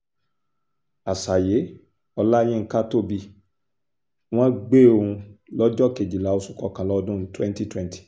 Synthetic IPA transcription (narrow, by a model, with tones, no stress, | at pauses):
a˨sa˨je˨˦ | ɔ˧la˦j̃ĩ˦ŋ̩˦ka˦to˦˨bi˧ | w̃ɔ̃˦ɡ͡be˦o˧ũ˧lɔ˦d͡ʒɔ˦˨ke˨d͡ʒi˨la˨˦o˧su˦kɔ˧kã˨lɔ˦ɔ˧dũ˦˧˦twɛ̃˦n˦ti˦twɛ̃˦n˦ti̥˨